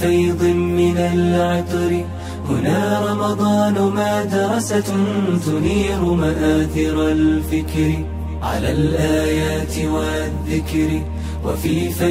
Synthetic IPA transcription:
ɑjd̪ˤɪmɪnalʕɪt̪ˤɾɪ | hʊnaːɾˤɑmɑd̪ˤɑːnʊmaːd̪ɑɾˤɑsat̪ʊniːɾʊmaʔaːθɪɾˤalfɪkɾɪ | ʕa̰laːlʔaːjaːt̪ɪwa | ðːɪkɾɪ | wa̰fiːfa

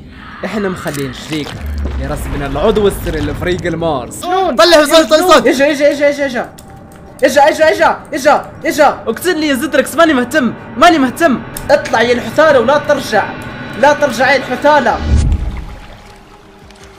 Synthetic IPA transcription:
ʔɪħnamxalːiːnʃɾiːka̰ɪɾˤɑsmɪnɪlʕʊd̪ˤwɪsːɪɾɪlɪfɑɾiːɡalmɑːɾˤsnuːtˤɑlːɪsˤɑlˤɑlˤɑɪʃaʔɪʃaʔɪʃaʔɪʃaʔɪʃa | ʔɪʃaʔɪʃaʔɪʃaʔɪʃaʔɪʃawɪkt̪ɪdlijazɪd̪ɾɪksmaːnimʊht̪amːmanimɪht̪amːʔɨt̪ˤlɑʕjɪlħʊt̪aːlawlat̪ɪɾʒaʕlat̪ɪɾʒaʕjɪlħʊt̪aːla

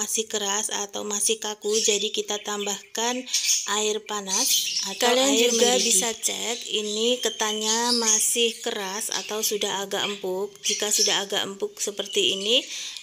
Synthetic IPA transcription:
asɪhkəɾasa̰t̪a̰wmasɪhkakud͡ʒadikit̪at̪ambahkanʔaɪrpanasakadand͡ʒuɡabisat͡ʃɛkinikət̪aɲamasɪhkəɾasa̰t̪awsudaɦaɡa̰ʔəmpʊk̚d͡ʒikasudaɦaɡa̰ʔəmpʊk̚səpərt̪iːni

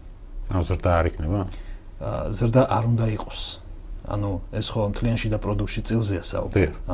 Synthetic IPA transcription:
anuzɾd̪aːɾikʰnɛba | zɾd̪aʔaɾund̪aiqʼɔ̥sa̰nuɛsχɔmt̪ʰlianʃid̪apʼɾɔd̪uk̚t̪ʃit̪sʼilˠzɛasa̰ṵbd̪ia

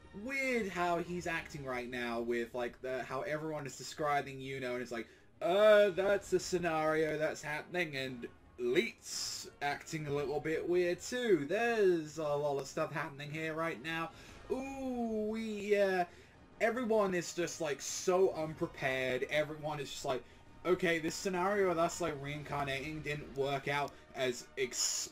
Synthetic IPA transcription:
wɪð̥ɦaʊizæk̚tɪ̃ŋɹaɪtⁿnaʊwɪð̥laɪk̚ðɨhaʊʔɛvɹiwʌ̃nɨzdɨskɹaɪbɪ̃ŋjɨnoʊɨ̃nɨtslaɪk | ʌðætsɨsɨnɛɹioʊðætshæpnɪ̃ŋɨ̃n | litsæk̚tɪ̃ŋɨlɪɾl̩ˠbɪʔwɪððtʰʉðə˞zəlɔɾʌv̥stʌfhæpənɪ̃ŋɦiɹɹaɪtⁿnaʊ | uwijæ | ɛvɹiwʌ̃nɨzd͡ʒʌst̚ˡlaɪksoʊʔʌ̃npʰɹ̥ɨpʰɛɹɾɛvɹiwʌ̃nɨzd͡ʒʌst̚ˡlaɪk | oʊkʰeɪðɪsɨnɑɹioʊðætslaɪkɹiɨ̃nkʰɑɹneɪɾɪ̃ŋdɪdⁿn̩ʔwɜ˞kaʊɾ | ɨzɪks

